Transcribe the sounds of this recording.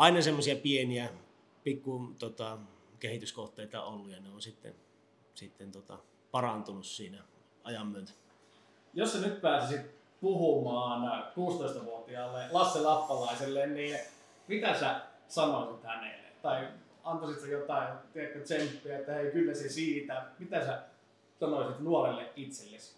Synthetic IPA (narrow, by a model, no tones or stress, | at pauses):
ɑˑinɑsemːosiɑpieniæ | pikːut̪ot̪ɑ | kehit̪yskoht̪ˑeit̪ɑ̰olːujɑneonsit̪ːḛn | sit̪ːent̪ot̪ɑ̰ | pɑrɑnt̪unussiːnæ | ɑjɑmːyøt̪æ̥ | jossænyt̪̚pæːsisit̪̚ | puhumɑːnkuːst̪oˑist̪ɑʋuot̪iɑːlːelɑsːelɑpːɑlɑˑiselːenniː | mit̪æsæ | sɑnoisit̪hænḛlˑːḛt̪ɑi | ɑnt̪osit̪sejot̪ɑˑit̪iek̪ːæt̪sempːiæet̪ːæheikylːæsesiːt̪æmit̪æsæ | sɑnosit̪nuorelːeʔʔit̪selːes